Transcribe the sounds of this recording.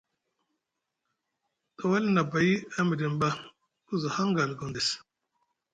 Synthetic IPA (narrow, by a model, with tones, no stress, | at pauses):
ta˨wa˦lna˨ba˨ji˦a˦mi˨di˨mba˦ | ku˦zu˨ha˦ŋɡa˨lɡo˨ndi˨s